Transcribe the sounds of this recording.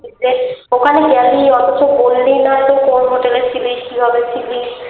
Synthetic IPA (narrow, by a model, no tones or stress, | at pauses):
id͡ʑeokʰaneɡɛliɔt̪ot͡ʃobolːinaet̪ofonɦoʈelesʰilikibʱabesʰili